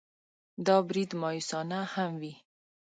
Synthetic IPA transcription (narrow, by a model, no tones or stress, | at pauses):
d̪ɑbɾid̪mɑjusɑnahamwi